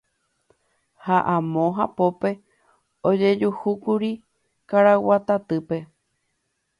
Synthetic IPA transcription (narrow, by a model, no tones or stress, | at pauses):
haʔãmõɦapo̞pe̞ | od͡ʒe̞d͡ʒuhukuɾi | kaɾawat̪at̪ɨpe̞